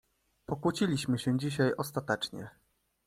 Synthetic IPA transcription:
pɔkwut͡ɕilʲiɕmɘɕɛd͡ʑiɕajɔst̪at̪ɛt͡ʂɲɛ̰

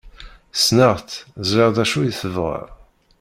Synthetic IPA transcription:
snəʁθzəʁðæʃujiθəvʁə̰ʁ

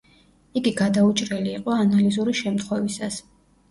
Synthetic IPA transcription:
iɡiɡad̪aut͡ʃʼɾɛliːqʼɔanalizuɾiʃɛmt̪ʰχwɛvisas

